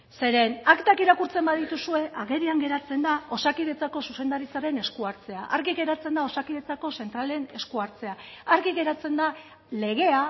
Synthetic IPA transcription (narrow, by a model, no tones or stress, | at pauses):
se̞ɾe̞nakt̪akiɾakuɾt͡se̞mbaðit̪usue̞ʔaɣe̞ɾiaŋɡe̞ɾat͡se̞nd̪ao̞sakiðe̞t͡sako̞suse̞nd̪aɾit͡saɾe̞ne̞skuaɾt͡se̞aʔaɾɣiɣe̞ɾat͡se̞nd̪ao̞sakiðe̞t͡sako̞se̞nt̪ɾale̞ne̞skuaɾt͡se̞aːɾɣiɣe̞ɾat͡se̞nd̪a | le̞ɣe̞a